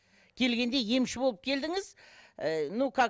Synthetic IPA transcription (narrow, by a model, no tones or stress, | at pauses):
kʲʰe̞lɡʲe̞nd̪e̞je̞mʃɪbolˠəp̚kʲʰe̞ld̪ɪŋɪz | nukʰɑ